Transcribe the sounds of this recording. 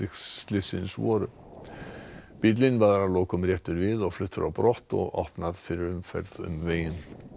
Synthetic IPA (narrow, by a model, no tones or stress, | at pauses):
ɪt̪lɪsɪ̰nsvɔ̰ːɾʏ̰ | pɪt̪̬lɪnvaðaɾaloːwkʏmrjɛht̪ʏɾvɪðɔɣflʏt̪ːʏɾʔawpɾɔht̪ɔ̰ɣɔ̰hpnaðfɪɾɪɾʏmfɛ̰ɾðʏ̰mveːjɪn